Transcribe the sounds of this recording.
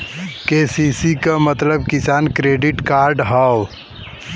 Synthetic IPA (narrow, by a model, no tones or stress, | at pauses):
keːsiːsikamɐt̪ləb̚kɪsaːnkɾeːɖɪʈkaːɾɖɦaːw